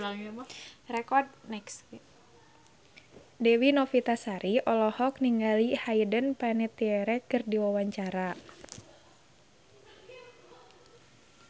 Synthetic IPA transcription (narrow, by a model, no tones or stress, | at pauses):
rɛkɔrd̚nɛks | dɛwinɔfit̪asaɾʔiʔɔlɔhɔk̚niŋɡalihaidənpanɛt̪iɛɾɛkɨrdiwawaɲt͡ʃaɾa